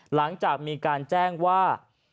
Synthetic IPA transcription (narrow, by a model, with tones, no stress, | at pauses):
la˩˦ŋt͡ɕaː˨˩k̚miː˧kaː˧nt͡ɕɛː˥˩ŋwaː˥˩